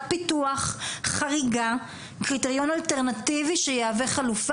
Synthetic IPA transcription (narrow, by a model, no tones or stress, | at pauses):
pituaχχaʁiɡa | kʁiteʁjo̞nalteʁnativiʃejeaveχaluf